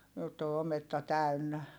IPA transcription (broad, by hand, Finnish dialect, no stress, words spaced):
jotː o ometːɑ tæy̞nːæ